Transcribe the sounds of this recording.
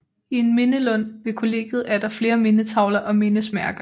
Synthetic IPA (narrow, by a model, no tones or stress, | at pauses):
ie̝nme̝nəlɔ̽n̰ʋe̝kʰo̝le̝̰ːɡ̥ð̞̩ˠæɐd̥ɑ̈fle̝ːɐme̝nət͡sʰɑ̈ʊlɐʔɒ̽me̝nəsmæɐɡ̥ɐ